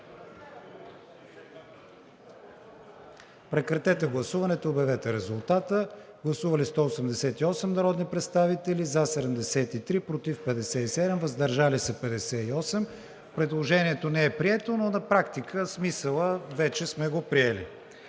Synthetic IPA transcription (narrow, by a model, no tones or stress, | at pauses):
pɾɛkɾɐt̪ɛt̪ɛɡlˠɐsuvɐnɛt̪oːbjɐvɛt̪ɛɾɛzulˠt̪at̪əɡlˠɐsuvɐlist̪ɔosɛmd̪ɛsɛt̪iɔsɛmnɐɾɔd̪nipɾɛt̪st̪avit̪ɛlizasɛd̪ɛmd̪ɛsɛt̪it̪ɾipɾot̪ifpɛd̪ɛsɛisɛd̪ɛmvɐzd̪ɐɾʒalisɐpɛd̪ɛsɛiɔsɛm | pɾɛd̪lˠoʒɛniɛt̪onɛɛpɾiɛt̪ononɐpɾakt̪ikəsmisəlˠəvɛt͡ʃɛsmɛɡopɾiɛlḭ